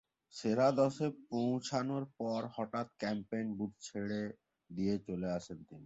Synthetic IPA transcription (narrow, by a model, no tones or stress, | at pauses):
ʃeɾad̪ɔʃepõw̃t͡ɕʰanoɾpɔɾhɔʈat̪kɛmpejnbud̪̚ʱt͡ɕʰeɽe | d̪iet͡ɕoleaʃʰent̪ini